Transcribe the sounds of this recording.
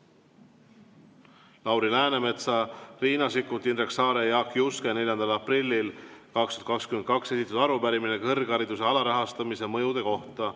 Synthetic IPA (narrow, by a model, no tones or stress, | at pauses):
lɑwɾilæːneme̞t̪sɑriːnɑsikːˑut̪ːinreksɑːɾejɑkjuskene̞lʲjɑnd̪̥ɑlɑprilʲːilkɑkst̪u̥ɑt̪̚ˑkɑkskymed̪̚kɑkse̞sit̪ːˑut̪ɑɾupæɾiminekɤrɡɑɾid̪̥use̞ɑlɑɾɑɦɑst̪ɑmise̞mɤjud̪̥e̞ko̞ht̪ɑ